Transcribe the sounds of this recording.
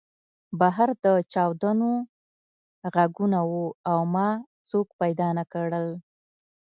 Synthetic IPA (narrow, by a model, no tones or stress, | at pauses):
baɦaɾd̪ət͡ʃɑwd̪ano | ɣaɡunawuawmɑ | t͡sokpajd̪ɑnakaɽəl